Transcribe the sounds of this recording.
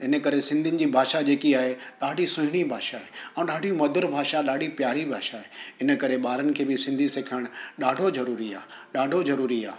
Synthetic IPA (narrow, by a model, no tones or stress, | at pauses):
ɪnə̆kɐɾesɪ̃nd̪ʱinɪ̆d͡ʑiːbʱaːʃad͡ʑeːkiaːɦeɗaːɖʱisʊ̃ɦɪɽ̃ibʱaːʃaɦeãːũɗaːɖʱijũmɐd̪ʱəɾbʱaːʃaɗaːɖʱipjaːɾibʱaːʃaɦeɪnə̆kɐɾeɓaːɾənɪ̆kʰeːbɪsɪ̃nd̪ʱiseːkʰəɽ̃ɗaːɖʱozɐɾuːɾia̰ːɗaːɖʱozɐɾuːɾia̰ː